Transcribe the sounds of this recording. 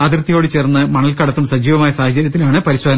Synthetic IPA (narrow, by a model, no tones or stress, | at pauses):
ɐd̪irt̪ːijo̞ːɽɨt͡ɕe̞ːrnːɨmɐɳɐlkɐɽɐt̪ːumsɐd͡ʑiːʋɐmaːjɐsaːhɐt͡ɕːɐɾjɐt̪ːilaːɳɨpɐɾiɕwoːd̪ɐnɐ